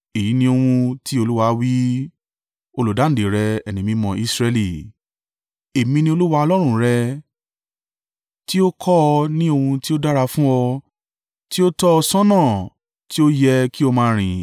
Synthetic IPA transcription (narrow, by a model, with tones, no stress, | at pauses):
e˨ji˨˦nĩ˧o˧hũ˧ti˦o˧lu˦wa˧wi˦ | o˧lo˨da˨˦n̩˨de˨ɾɛ˧ɛ˨nĩ˨mĩ˧mɔ̃˧˨i˧sɾɛ˧li˨ | e˨mĩ˧nĩ˧o˧lu˦wa˧ɔ˧lɔ˦ɾ̃ũ˦ɾɛ˧ | ti˦o˦kʰɔ˦˧nĩ˦o˧hũ˧ti˦o˦da˦ɾa˧fũ˦ɔ˧ | ti˦o˦tɔ˦ɔ˧sã˦nã˦˨ | ti˦o˦jɛ˧ki˦o˧mãː˧˦ɾ̃ĩ˨